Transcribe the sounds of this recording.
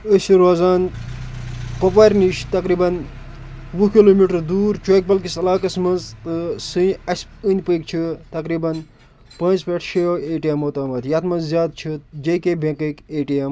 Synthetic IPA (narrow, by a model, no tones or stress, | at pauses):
əsiɾoːzaːn | pɐp̬aːɾniʃt̪ɐkɾiːbɐn | ʋukiloːmiʈɐɾd̪uːɾt͡ʃʰojk̚bɐlkisɐlaːkɐsmɐnzt̪ɨsɨ̃ɐsɨnʲpəkt͡ʃʰit̪ɐkɾiːbɐn | pɐ̃ːnt͡speʈʰʃejoeːʈijɐmot̪aːmɐt̪ʰjɐt̪ʰmɐnzzjaːd̪̚t͡ʃʰid͡ʒɐjkebʱẽkəkeːʈijɐm